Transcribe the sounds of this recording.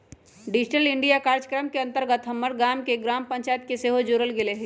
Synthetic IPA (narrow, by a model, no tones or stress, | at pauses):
ɖɪd͡ʒʈəlɪ̃ɳɖijakaːɾd͡ʒəkɾəmkeɐ̃nt̪əɾɡət̪ɦɐmːəɾɡaːmkeɡɾaːmpɐ̃ɲt͡ʃaːjət̪̚keseːɦod͡ʒoːɾəlɡɪleɦɛ